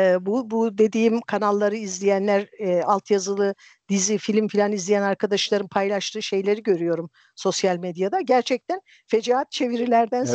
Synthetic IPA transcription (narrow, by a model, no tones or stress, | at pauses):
ɛbubud̪e̞d̪iːmkʰanalˠːaɾɯizlʲijænlʲæɾalˠt̪ʰjazɯlˠɯ | d̪̥izifilʲmfilʲanizlʲijænaɾkʰad̪aʃlˠaɾɯmpʰajlˠaʃt̪ʰɯːʃe̞jlʲe̞ɾiɟø̞ɾyjo̞ɾum | so̞sjalʲmed̪jad̪aɟæɾt͡ʃʰɛc̚t̪ʰæn | fe̞d͡ʒaɦat̪̚t͡ʃʰe̞viɾilʲæɾd̪æns